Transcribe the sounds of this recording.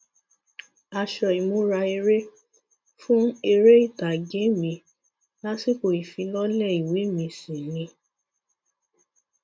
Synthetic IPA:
a˧ʃɔ˧˨i˨mõ˨˧˦ɾa˧e˧ɾe˦ | fũ˦e˧ɾe˦i˦˨ta˨ɡe˨˦mĩ˧ | la˦si˦˨ko˨i˨fĩ˧lɔ˦lɛ˦˨i˨we˨˦mĩ˧sĩ˨nĩ˧˦

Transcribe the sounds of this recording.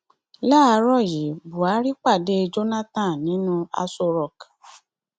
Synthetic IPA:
la˦˨a˧ɾɔ˦˨ji˨bu˨a˨˦ɾi˦k͡pa˦˨de˦e˧d͡ʒo˦nã˦tã˦˨nĩ˨˦nũ˦a̰˧so˧ɾɔ˨k

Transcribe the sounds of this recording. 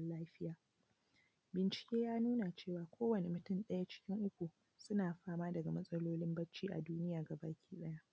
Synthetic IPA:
laː˦ɸɪ˦jaː˨ | bɪ˨nt͡ʃɪ̥˨kʲeː˦jaː˦nuː˦na˨t͡ʃeː˦˨waː˨kʷʰoː˦wɐ˨ne˨mʊ˨tʊ˦˨nɗɐ˦ja˦t͡ʃɪ̥˦kʲɪ˦ŋʔʊ˦kʷu˨ | sʊ˦naː˨ɸaː˦maː˦dɐ˨ɡa˨mɐ˦sʼɐ˦loː˦lɪ˦mbɐ˦t͡ʃːiː˦ʔa̰˨duː˦nɪ˦jaː˨ɡa˨baː˨kʲi̥ː˦sʼɐ˦ja˦ʔ

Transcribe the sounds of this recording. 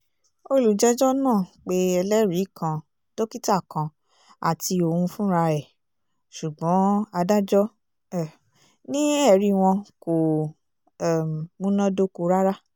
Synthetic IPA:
o˧lu˨d͡ʒɛ˦d͡ʒɔ˦nãː˦˨k͡pe˦ɛ˧lɛ˦ɾi˨˦kʰã˧ | d̥o˦ki˦ta˦˨kã˧ | a̰˨ti˧o˨hũ˧fũ˦ɾa˧ɾɛ˨ | ʃu˨ɡ͡bɔ̃˨˦a˧da˦d͡ʒɔ˦ | ɛ˨ | nĩ˦ɛ˦˧˨ɾi˦w̃ɔ̃˧ko˨ | ɛ˨m˨mũ˦nã˦do˦ko˧ɾa˦ɾa˦

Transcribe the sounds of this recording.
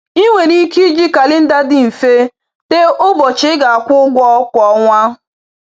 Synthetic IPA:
i˦ŋʷe˨ni˦ki˦d͡ʒi˦ka˨lɪ˦n̩˦da˦dɪ˦m̩˨fe˦ | te˦ʔʊ˦bɔ˨t͡ʃɪ˦ɡa˨a˨kʷʊ˦ɡʷɔ˦kʷɔ˦ŋʷa˦

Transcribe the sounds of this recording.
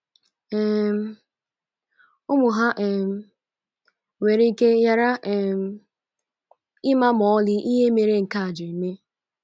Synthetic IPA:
ɛ˦m˦ | ʊ˦mʊ˨ɦa˦ʔɛ˨m˨ | we˨ɾe˦i˦ke˦ja˨ɾa˦˨m˦ | ɪ˦ma˦mɔ˨˦lɪ˦ʔi˦ɦe˦me˨ɾe˦ŋ̩˨ka˦a˨d͡ʒɔ˨i˨me˦

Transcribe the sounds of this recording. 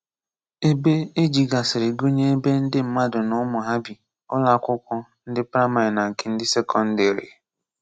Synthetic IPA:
e˦be˦e˦d͡ʒi˨ɡa˨sɪ˨ɾɪ˨ɡo˦ɲe˦e˦be˦n̩˦dɪ˦m̩˦ma˦dʊ˨nʊ˦mʊ˨ɦa˦bi˨ | ʊ˦la˦kʷʊ˦kʷɔ˦n̩˦dɪ˦pɾa˦ma˨na˨ŋ̩˨kɪ˨n̩˦dɪ˦se˦kɔ˦n̩˦de˨ɾḭ˨

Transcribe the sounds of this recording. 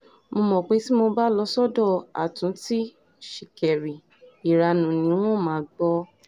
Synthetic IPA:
mo˧mɔ̃˨k͡pe˨˦ti˦mo˧ba˦lɔ˧˦sɔ˦dɔ˦˨a̰˨tũ˨˦ti˦ | ʃi˨kɛ˨ɾi˨ | i˨ɾa˧nũ˨nĩ˨˦w̃ɔ̃˦˨mãː˨˦ɡ͡bɔ˧

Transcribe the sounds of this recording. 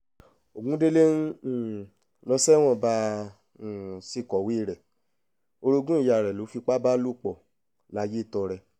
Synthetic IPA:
o˨ɡũ˨˦de˦le˦n̩˦˨ | lɔ˧sɛ˦w̃ɔ̃˦˨bã˧˨ | si˧˨kɔ˨wi˨˦˨ɾɛ˨ | o˧ɾo˧ɡũ˦i˦˨ja˨ɾɛ˨lo˨˦fi˧k͡pa˦ba˦lu˦˨k͡pɔ˨ | la˨˦je˦˨tɔ˧ɾɛ˧

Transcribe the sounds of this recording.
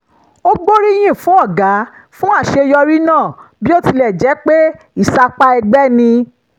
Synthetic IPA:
o˦ɡ͡bo˦ɾi˦j̃ĩ˦˨fũ˨˦ɔ˦˨ɡa˨˦fũ˦a˦˨ʃe˧jɔ˧ɾi˦nãː˦˨bi˦o˦ti˧lɛ˦˨d͡ʒɛ˨˦k͡pe˦ | i˦˨sa˧k͡pa˧ɛ˧ɡ͡bɛ˦nĩ˧

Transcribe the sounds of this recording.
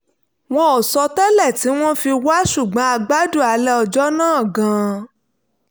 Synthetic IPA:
w̃ɔ̃˦o˨sɔ˧tɛ˦lɛ˦˨ti˨˦w̃ɔ̃˦fi˧wa˦ʃu˦˨ɡ͡bã˨˦a˧ɡ͡ba˦du˦˨a˨˦lɛ˦ɔ˧d͡ʒɔ˦nãː˦˨ɡã˨˧˦

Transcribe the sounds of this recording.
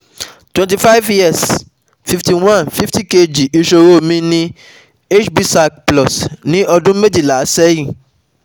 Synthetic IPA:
twɛ̃˨nt̬i˨fa˦jvji˦ɛ˦˨s | fi˧fti˧w̃ã˦˨nfi˦fti˦˨ke˧d͡ʒi˨i˨˧ʃo˧ɾo˦˨mĩ˦nĩ˦ | e˦t͡ʃbi˦sa˧k̚plɔ˨snĩ˦ʔɔ˧dũ˦me˦d͡ʒi˦˨la˨˦sɛ˦jĩ˦˨

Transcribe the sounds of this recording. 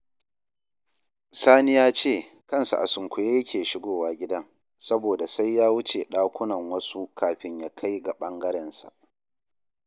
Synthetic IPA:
saː˦nɪ˦jaː˦t͡ʃeː˦˨ | kɐ˦nsa̰˨ʔa̰˨sʊ˨ŋkʷʊ˨jeː˦jɐ˦kʲʰeː˨ʃɪ˦ɡʷoː˦˨waː˦ɡʲɪ˦dɐ˦ŋ | sɐ˦boː˨da˨sa˦jjaː˦wʊ˦t͡ʃe˨ɗaː˦kʷʊ˦nɐ˨ŋwɐ˦su˦kʰaː˨ɸɪ˦ɲjaː˦kʰa˦jɡa˨ɓɐ˦ŋɡɐ˦ɾɛ˦˨nsa̰˨ʔ

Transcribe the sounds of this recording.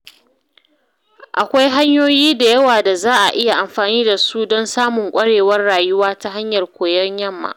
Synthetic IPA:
ʔa˨kʷa˦jɦa˦ɲjoː˦jiː˦da˨jɐ˦waː˨da˨zaː˦ʔa̰˨ʔɪ˦ja˨ʔa˨mɸaː˨niː˦da˨su˦dɔ˦nsaː˦mʊ˨ŋkʷʼɐ˦ɽeː˨wɐ˦rɽaː˨jʊ˦waː˦ta˦ɦa˦ɲjɐ˨rkʷoː˨jɐ˦ɲjɐ˦mːa̰ː˨ʔ

